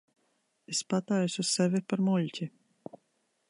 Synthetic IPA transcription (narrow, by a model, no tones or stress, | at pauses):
espat̪ajusʲussevʲipaɾmulʲcʲi